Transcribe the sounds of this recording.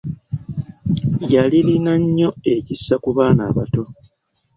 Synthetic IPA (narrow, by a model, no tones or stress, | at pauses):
jalilinaɲːo̞e̞cisːakuβaːna̰ːβato̞